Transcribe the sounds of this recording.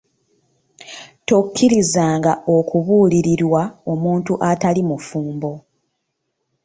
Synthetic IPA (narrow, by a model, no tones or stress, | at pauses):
tokʰːiɾizaːŋɡaʔo̞kʰuβuːliɾiɾwao̞muːntuʔatalimufuːmbo̞